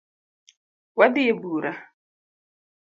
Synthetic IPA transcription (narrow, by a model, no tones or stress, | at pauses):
wadɪjebuːɾa